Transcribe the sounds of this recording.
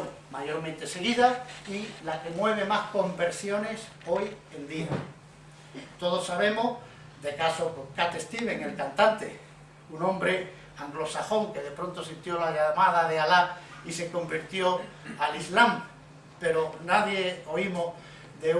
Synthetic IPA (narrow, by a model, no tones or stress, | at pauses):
maʝo̞ɾmẽnt̪e̞se̞ɣ̞iðailake̞mwe̞β̞e̞mahko̞mbe̞ɾsjo̞ne̞s | o̞jend̪ia | t̪o̞ðo̞saβ̞e̞mo̞ | ðe̞kasokoŋkat̪e̞st̪ileŋelkant̪ant̪ḛ | unõmbɾe̞ | aŋɡlo̞saxo̞ŋke̞ðe̞pɾo̞nt̪o̞sint̪jo̞laʎamaðaðeala | ise̞ko̞mbiɾt̪jo̞alizlam | pe̞ɾonaðje̞o̞imo | ðe̞